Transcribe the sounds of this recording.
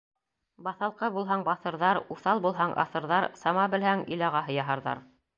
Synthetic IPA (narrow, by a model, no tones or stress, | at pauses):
bɑθɑlˠqɤbulˠɦɑɴbɑθɤ̆ɾðɑɾuθɑlˠbulˠɦɑɴʔɑ̰θɤ̆ɾðɑɾsɑmɑbɘ̆lhæŋɵ̰̆lɑʁɑɦɤ̆jɑɦɑɾðɑ̰ɾ